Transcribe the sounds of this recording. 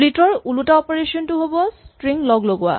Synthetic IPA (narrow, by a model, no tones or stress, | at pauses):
litɔɹulutaɔpɔɹesɔntuɦobɔstɹiŋlɔɡloɡʊwa̰